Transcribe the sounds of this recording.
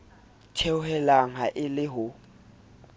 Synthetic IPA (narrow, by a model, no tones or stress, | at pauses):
tʰeʊɦɛlaŋaʔɪlɪɦʊ